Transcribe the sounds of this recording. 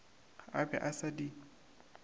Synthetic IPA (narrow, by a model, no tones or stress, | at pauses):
abɛ̰ʔasadi